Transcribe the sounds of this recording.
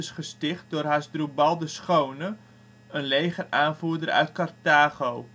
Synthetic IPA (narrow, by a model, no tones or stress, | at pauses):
ɪsχəstɪχt̚dʊrɦasdrubalˠdəsχownə | ənlejχəraːnfuədəɾœ̰ɥt̚kartaːχow